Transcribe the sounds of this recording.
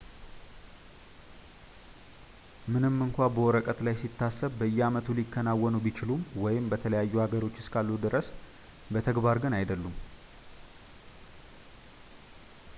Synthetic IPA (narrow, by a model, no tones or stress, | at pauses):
mɨnɨmːɨŋkʷabəwɔɾəkʼət̪lajsit̪ːasːəβbəɨjːɛamət̪ʰulikʰːənawɔnubit͡ʃɪlumwɔjɪmbət̪ʰələjajːuhaɡəɾo̞t͡ʃːɪ̥skʰalːud̪ɨɾəs | bət̪ʰəɡbaɾɡɨnajd̪əlːum